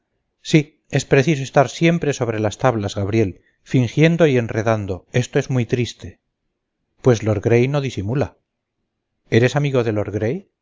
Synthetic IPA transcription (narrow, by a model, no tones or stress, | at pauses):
si | e̞spɾe̞θis̬oest̪aɾsje̞mpɾe̞so̞β̞ɾe̞last̪aβlazɣaβɾje̞l | fiŋxje̞nd̪o̞ie̞nreðand̪o̞e̞st̪o̞e̞zmuijt̪ɾist̪e̞ | pwe̞zloɾɣɾejno̞ðisimula | e̞ɾe̞samiɣo̞ðe̞lo̞ɾɣɾe̞j